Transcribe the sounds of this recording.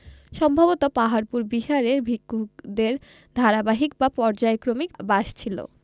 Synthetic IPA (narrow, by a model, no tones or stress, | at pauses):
ʃɔmbʱabot̪opaɦaɾpuɾbiɦaɾeɾbʱikːukd̪eɾ | d̪ʱaɾabaɦikbapɔɾd͡ʑaekɾomikbaʃt͡ɕʰilo̰